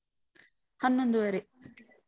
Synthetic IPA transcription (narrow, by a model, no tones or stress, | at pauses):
hɐnːond̪uʋɐɾe